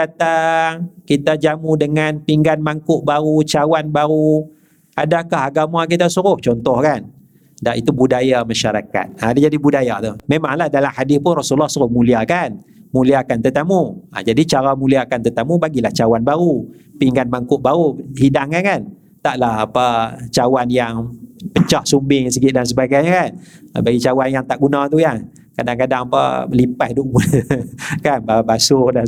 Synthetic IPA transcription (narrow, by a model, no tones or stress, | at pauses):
at̪a | kit̪ad͡ʒamudəŋanpiŋɡanmaŋkʊʔbaɾut͡ʃawanbaɾu | adakaɦaɡamak̬it̪asuɾʊht͡ʃɔnt̪ɔhkan | dait̪ubudajamaʃaɾaka̰t̪̚adad͡ʒadibudajat̪umemaŋlahdalamhadɪspʊnrɔsulɔhsuɾʊhmuliakanmuliakant̪ərt̪amua̰d͡ʒadit͡ʃaɾamuliaːkant̪ərt̪əmubaɡilaht͡ʃawanbaɾupiŋɡanbaŋkʊʔ̪̚baɾuhidaŋkankan | t̪aʔlahapat͡ʃawanjaŋpət͡ʃaʔsumbɪŋs̬əɡɪt̪̚dans̬əbaɡajɲakan̰baɡit͡ʃawanjaŋt̪aʔɡunãt̪uja | kadaŋkadaŋapa̰lipahduʔmu | kanbabasʊdan